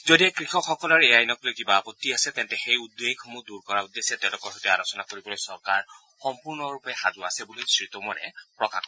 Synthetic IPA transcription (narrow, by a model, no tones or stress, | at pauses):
zodiɛkɹixɔkxɔkɔlɔɹejajnɔk̚lojkibaːpɔtːiasɛt̪ɛntɛxejud̪ːekʰmuduɹkɔɹaud̪ːesɛtɛ̃lʊkɔɹɦɔtɛalosɔnakoɹibɔlojsɔɹkaɹ | xɔmpuɹnɔɹupɛxazuasɛbulisɹit̪ɔmɔɹɛ̰pɹɔka̰kɔ